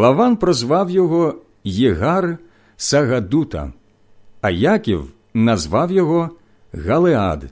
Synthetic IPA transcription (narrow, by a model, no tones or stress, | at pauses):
lˠɐʋɑnpɾɔzʋɑwjɔɦɔ | jeɦar | sɐɣɐd̪ut̪ɐ̰ | ɐjakʲḭw | nɐzʋɑwjɔɦɔ | ɣɐlˠea̰d̪